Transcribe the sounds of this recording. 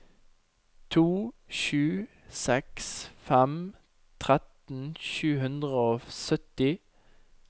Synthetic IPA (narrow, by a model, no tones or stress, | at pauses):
t̪ʰuːʃʉː | sɛksfɛm | t̪ʰʁɛt̪n̩ʃʉːhʉnd̪ʁəoːsœt̪ɪ